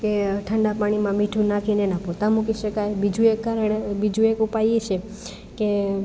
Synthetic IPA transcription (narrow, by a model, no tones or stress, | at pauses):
keʈʰəɳɖapaɽ̃imãmiʈʰũnakʰinenãpot̪ãmukiʃəkajbid͡ʒuekːaɾəɳbid͡ʒũekupajet͡ʃʰe | ke